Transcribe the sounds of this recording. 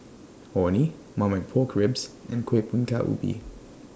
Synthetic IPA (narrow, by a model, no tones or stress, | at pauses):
ɔni | mãmaɪpʰɔːkʰɹɪbz̥ɛ̃nkʰwepʰũnkʰaʔṵbḭ